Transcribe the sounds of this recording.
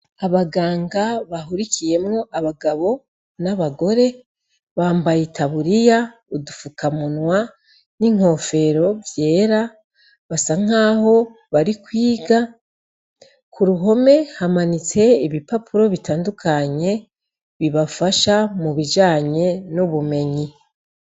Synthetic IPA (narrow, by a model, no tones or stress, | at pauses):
aβaɡaːŋɡaβaɦuɾikʰije̞mŋo̞ʔaβaɡaβo̞ | naβaɡo̞ɾe̞ | βaːmbajetʰaβuɾija | udufukamunwa | niŋ̥ho̞ːfe̞ɾo̞vje̞ːɾa | βasaŋ̥aːho̞ | βaɾikwiːɡa | kuɾuɦo̞me̞hamanit͡se̞iβipapʰuɾo̞βitaːndukʰaɲe̞ | βiβafaʃamuβid͡ʒaːɲe̞nuβume̞ɲi